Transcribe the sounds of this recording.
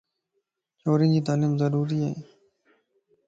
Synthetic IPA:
t͡ʃoːɾĩːnd͡ʒiːt̪̬aːliːmzəɾuːɾiːəḛː

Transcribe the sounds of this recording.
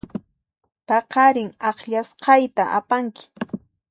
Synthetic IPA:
pɑqɑɾɪŋɑχʎasqɑjt̪aʔa̰paŋkɪ̥

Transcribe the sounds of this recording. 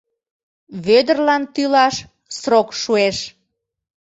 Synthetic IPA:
βød̪ərlɑnt̪ylɑʃ | sɾokʃueʃ

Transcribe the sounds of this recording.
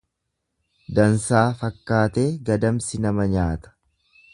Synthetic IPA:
d̪ɐnsaːfɐkːaːt̪e̞ːɡɐd̪ɐmsɪnɐmɐɲaːt̪ɐ̥

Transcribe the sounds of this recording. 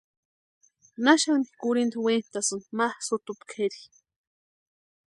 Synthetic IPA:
naʃani̥kuɾind̪went̪asɨnmahsut̪upkʰeɾi

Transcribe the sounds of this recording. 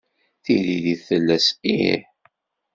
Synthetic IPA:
θiliðiθəlːæsḭħ

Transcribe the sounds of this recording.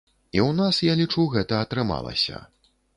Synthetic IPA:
iwnasjalʲit͡ʂuɣɛt̪ɐɐt̪ɾɨma̰lˠɐ̰sʲɐ̰

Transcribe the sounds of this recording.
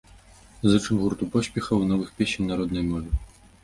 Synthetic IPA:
zɨt͡ʂɨmɣurt̪upɔɕʲpʲɛxɐwnɔvɨxpʲesʲinʲnaɾɔd̪nɐjmɔvʲɛ

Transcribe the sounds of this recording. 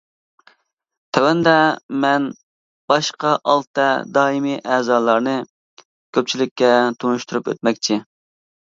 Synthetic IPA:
t̪ʰɛwɛnd̪ɛmɛn | b̥ɑʃqɑʔɑlˠt̪ɛd̪ɑːimiʔɛːzɑːlˠɑɾnɨ | kʲʰøp̚t͡ʃʰilɪkʲːɛt̪ʰunuʃt̪uɾupø̰t̪̚mɛkʲt͡ʃʰɪ

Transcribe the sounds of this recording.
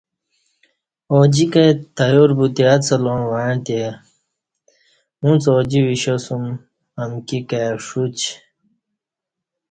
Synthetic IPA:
oːd͡ʑikajt̪ɐjoɾbut̪iat͡sɐlonwaɳt̪e | ũt͡soːd͡ʑiwiɕosum | ɐmkikaʂut͡ɕ

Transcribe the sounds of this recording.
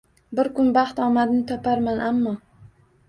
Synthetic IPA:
bɪɾkʊnbɑχt̪ɒmad̪nɪt̪ʰɒpʰaɾmanʔamːɒ

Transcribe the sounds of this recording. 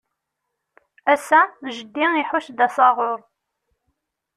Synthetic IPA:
æsæʒəd̪ːiiħʊʃd̪æsɑʁʊɾˤ

